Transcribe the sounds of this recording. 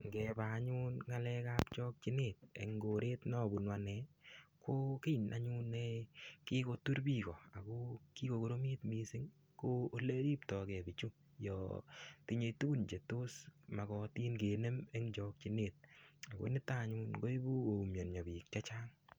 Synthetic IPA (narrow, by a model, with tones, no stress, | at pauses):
ŋɡɛ˨ba˨ɲu˦nŋa˦lɛ˦ka˦p̚t͡ʃɔ˦k̚t͡ʃi˦ne˨t̚ḛ˨ŋɡo˨ɾe˦tnɔ˦˨bu˨nwa˨nɛ˨ko˦ki˦˨nʔa˨ɲu˦nːɛkɪ˦ko˧tu˦ɾbi˦˨kɔ˨a˨ko˦ki˦ko˨ko˨ɾo˦mi˦tmi˧sɪ˦ŋ | ko˦o˦le˦ɾi˦p̚tɔ˨kɛ˨bɪ˨t͡ʃu˦ | jɔ̰˨ti˧ɲe˨˧jtu˦nd͡ʒe˨to˦sma˨kɔ˧ti˦nɡe˨ne˦me˦ŋd͡ʒɔ˦k̚t͡ʃi˨˦ne˦˨t̚a˨ko̰˦nɪ˦ta˦˨ɲu˦nɡo˦i˦bu˦o˨u˨mjo˨nɲɔ˨bi˨k̚t͡ʃa˦t͡ʃa˦ŋ